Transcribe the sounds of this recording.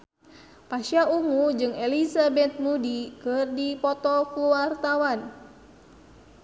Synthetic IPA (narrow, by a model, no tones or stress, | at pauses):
paʃauŋud͡ʒɨŋɛlisabɛt̪̚mudikɨrdipɔt̪ɔkuwart̪awan